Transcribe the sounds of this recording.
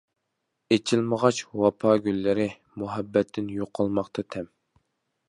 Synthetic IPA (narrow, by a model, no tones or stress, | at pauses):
et͡ʃʰilməʁɑt͡ʃwɑpʰɑːɡʲylːɪɾɪ | muɦɛbːɛt̪ʰːɪnjoqʰːɑlˠmɑχt̪ʰɑt̪ʰɛm